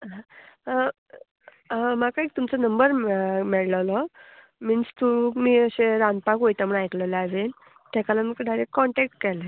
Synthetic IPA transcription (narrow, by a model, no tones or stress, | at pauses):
ɦãa | ɦãmakaik̚t̪umt͡sɔnəmbəɾmɛɭlalɔ | mənst̪umiːəɕeɾãnpakɦojt̪am̤uɳajkləlad͡zel | t̪akalamikəd̪ʱaɾekːɔɳʈɛk̚ʈkɛla